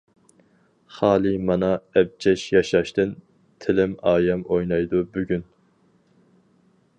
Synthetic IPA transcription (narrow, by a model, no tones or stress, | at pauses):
χɑːlˠɨmɑnɑɛb̚t͡ʃʰɛʃjɑʃɑʃt̪ɨn | t̪ʰɪlɪmɑːjɛmojnɑjd̪ubyɡʲyn